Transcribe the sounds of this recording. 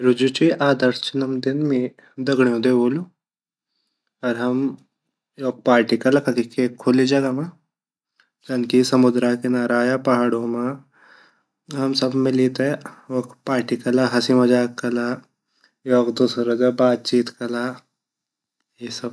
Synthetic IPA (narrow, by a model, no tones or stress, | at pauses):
ɾud͡ʒut͡ʃiʔaːd̪əɾst͡ʃinɐmd̪ɪnmi | d̪ɐɡɳjõd̪eboːlu | ɐɾɦɐm | joːk̚paːɾʈikɐlɐkɐkikekʰːʊlid͡ʒɐɡama | ɡɐnkisɐmud̪ɾaːkenaːɾaːjapɐɦaɽoma | ɦɐmsɐbmɪlit̪eʋɐkpaːɾʈikɐlaɦɐsimɐd͡ʒaːkːɐla | joːkd̪usɾɐɡɐbaːt̪̚t͡ʃiːt̪kɐla | jisɐb